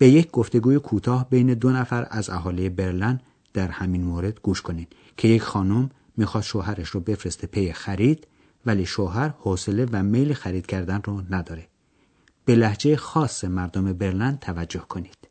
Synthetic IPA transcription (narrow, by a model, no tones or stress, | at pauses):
b̥e̞jecʰɡoft̪e̞ɡuːjekʰuːt̪ʰɒːhbejne̞d̪onæfæɾæ̰zæɦɒːlijebe̞ɾlænd̪ | d̪̥æɾhæmiːnmoːɾe̞d̪ɡ̥uːʃkʰo̞niːd̪ | kʰe̞je̞cxɒːnomː | iːxɒːst̪ʃoːɦæɾeʃɾɔbe̞fɾest̪epʰejexæɾiːd̪̥ | væliːʃoːɦæɾhoːse̞le̞væme̞jlexæɾiːd̪̥cʰæɾd̪ænrɔnæd̪ɒːɾe̞ | b̥e̞læhd͡ʒe̞jxɒːsːemæɾd̪ome̞be̞ɾlænd̪̚t̪ʰævæd͡ʒːo̞hkʰo̞niːd̪̥